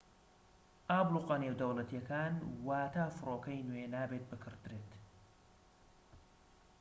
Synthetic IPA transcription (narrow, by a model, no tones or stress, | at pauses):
ʔaːbluqɐneːwd̪ɐwlɐt̪jɐkaːnwaːt̪ʰaːfɨroːkɐjnuenaːbet̪̚bɨkʰɨɾd̪ɾeːt̪